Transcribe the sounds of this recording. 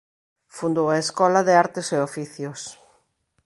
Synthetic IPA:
fund̪owɐeskɔlɐðɪaɾt̪ɪseofiθjʊs

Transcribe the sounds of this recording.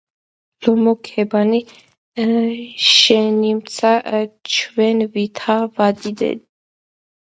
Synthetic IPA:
lɔmɔkʰɛbani | ʃɛnimt̪sʰat͡ʃʰwɛnvit̪ʰavad̪id̪ɛ̰d̪

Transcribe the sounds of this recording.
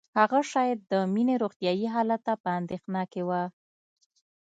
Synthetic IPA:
haɣaʃɑjad̪ːəmineɾoɣt̪jɑjiɦɑlat̪ːapəand̪exnakewa

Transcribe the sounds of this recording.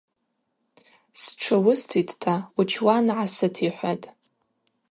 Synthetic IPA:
sʈ͡ʂʰɨwʊstʰitʰʼtʰaut͡ʃʰwanʕasɨtʰiħʷatʼ

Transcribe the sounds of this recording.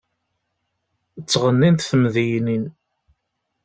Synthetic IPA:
ət͡sːʁənːint̪θəmðijnin

